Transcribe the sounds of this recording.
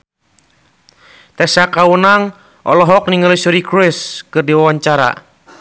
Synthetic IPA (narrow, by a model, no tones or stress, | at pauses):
t̪ɛsakawənaŋ | ʔɔ̰lɔɦɔk̚niŋəlisuɾikɾɪskɨrdiwawaɲt͡ʃaɾa̰